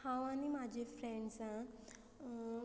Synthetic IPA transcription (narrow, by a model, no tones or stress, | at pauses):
hãwañimad͡ʑʱefɾeɳɖsã